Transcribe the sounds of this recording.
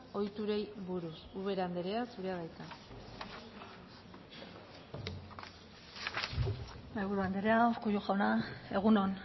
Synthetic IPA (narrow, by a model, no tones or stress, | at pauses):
o̞jt̪uɾe̞jβuɾusuβe̞ɾand̪eɾeasuɾeaðajt̪a | ajβuɾuand̪eɾeaokujuxawnae̞ɣ̞unon